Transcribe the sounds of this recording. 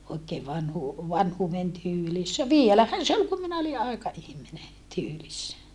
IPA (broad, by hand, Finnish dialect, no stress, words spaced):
oikeː ʋɑnhuː ʋɑnhuːʋen tyːlisːæ ʋielæhæn se ol kum minæ oli ʔɑikɑihmine tyːlisːæ